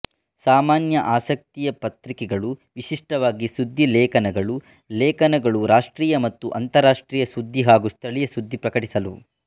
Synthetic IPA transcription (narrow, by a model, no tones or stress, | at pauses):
saːmaːnjɐʔaːsɐk̚t̪ijɐpɐt̪ɾikɛɡɐɭuʋiʃiʂʈɐʋaːɡisud̪ʱːilɛːkɐnɐɡɐɭu | lɛːkɐnɐɡɐɭuɾaːʂʈɾiːjɐmɐt̪ːuʔɐnt̪ɐɾaːʂʈɾiːjɐsud̪ʱːiɦaːɡust̪ʰɐɭijɐsud̪ʱːipɾɐkɐʈisɐlu